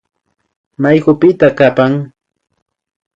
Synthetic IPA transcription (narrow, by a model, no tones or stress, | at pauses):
majɢʊpɪt̪akapaŋ